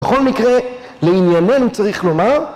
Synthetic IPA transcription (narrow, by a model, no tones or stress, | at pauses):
eχo̞lmikʁe | leinjane̞nut͡saʁiχlo̞maʁ